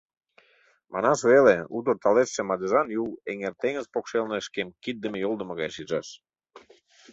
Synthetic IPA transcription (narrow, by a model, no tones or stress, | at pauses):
mʔɑ̰nɑsveleut̪̬ərt̪ɑleːemɑd̪əʒɑnjuweŋert̪eŋəzpokʃelneʃkemkid̪̚ːəmĕjolˠd̪ə̆mə̆ɣɑ̰jʃiʒɑʃ